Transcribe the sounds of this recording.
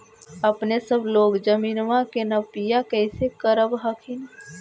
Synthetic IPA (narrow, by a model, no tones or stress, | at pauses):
əpnesəbloːɡd͡ʒəmiːnʋãkenəpijakəɪsekəɾəbɦəkʰin